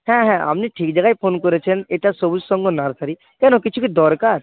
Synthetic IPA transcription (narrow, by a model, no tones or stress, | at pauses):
ɦɛ̃ɦɛ̃a̰mniʈʰiːk̚d͡ʒəɡaipʰoːnkɔɾet͡ʃʰəneʈasobud͡ʒsɔ̃ŋɡonaɾsʰaɾi | kɛnõkɪt͡ʃʰukid̪ɔːɾkaːɾ